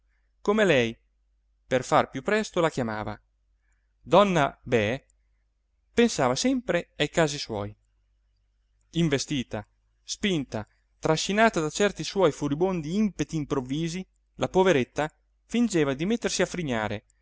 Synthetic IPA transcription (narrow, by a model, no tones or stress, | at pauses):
komelɛj | perfarpjupːɾɛst̪olakjama̰ːva̰ | d̪ɔnːabɛ | pensaːvasɛmpɾeajkaːziswɔ̰j | iɱvest̪iːt̪a | spint̪a | t̪ɾaʃːinaːt̪ad̪at͡ʃɛrt̪iswɔjfuɾibond̪iimpet̪iːmpɾovːiːzi | lapoveɾet̪ːa | find͡ʒeːvad̪imet̪ːersiafɾiɲːaːɾe